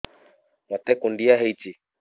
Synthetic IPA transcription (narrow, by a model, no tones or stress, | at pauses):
mwat̪ɛkundiaɦɛiti